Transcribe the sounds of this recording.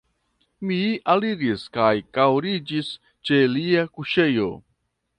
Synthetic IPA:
mialiɾiskajkawɾid͡ʒis | t͡ʃe̞liakuʃe̞jo̞̰

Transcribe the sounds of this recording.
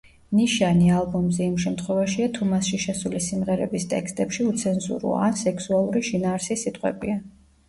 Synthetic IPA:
niʃanialˠbɔmzɛimʃɛmt̪ʰχwɛvaʃiat̪ʰumasʃiʃɛsulisimʁɛɾɛ̰bist̪ʼɛ̰kst̪ʼɛpʃiut̪sʰɛnzṵɾṵa̰nsɛksualˠuɾiʃinaːɾsisit̪ʼqʼwɛ̰bia

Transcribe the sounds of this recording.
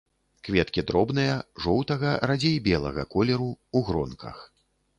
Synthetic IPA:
kvʲɛt̪kʲid̪ɾɔbnɨjɐʐɔwt̪ɐɣɐɾad͡zʲejbʲɛlˠɐ̰ɣɐ̰kɔlʲɛɾuuɣɾɔnkʰɐ̰x

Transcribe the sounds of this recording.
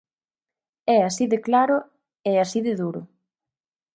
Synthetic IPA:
ɛasiðeklaɾʊ | easiðɪðuɾʊ̰

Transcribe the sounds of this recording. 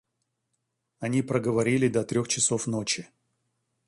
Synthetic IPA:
ɐnʲipɾəɡəvɐɾʲilʲɪd̪ɐt̪ɾʲoxt͡ɕɪsofno̞t͡ɕɪ

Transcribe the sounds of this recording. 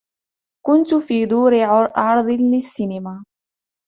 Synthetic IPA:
kʊnt̪ʊfiːd̪ˤuːɾɪʕɑɾˤd̪ˤɨlɪsːinɪmaː

